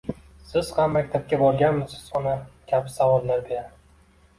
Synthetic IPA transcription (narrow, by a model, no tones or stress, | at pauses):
sɪz̥hamːakʲt̪ʰap̚kʲabɒlɡʲanmɪsɪ̥z̥ɒnakʲʰapɪ̥savɒlnaɾd̪eja